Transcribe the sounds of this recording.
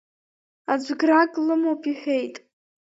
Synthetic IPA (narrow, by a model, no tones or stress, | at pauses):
ad͡ʒʷɡrakʼlɨmopʰʼiħʷᶣe̞jtʼ